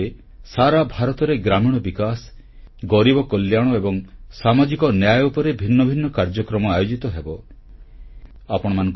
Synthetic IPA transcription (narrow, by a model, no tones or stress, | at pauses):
e | saɾabʱaɾɔt̪ɔɾeɡɾamiɽ̃ɔbikas | ɡɔɾibɔkɔljaɽ̃ɔebɔŋsamad͡ʒikɔnjajupɔɾebʱinːɔbʱinːɔkaɾd͡ʒɔkɾɔmɔajod͡ʒit̪ɔɦebɔ | apɔɽ̃ɔmanɔ̃ŋk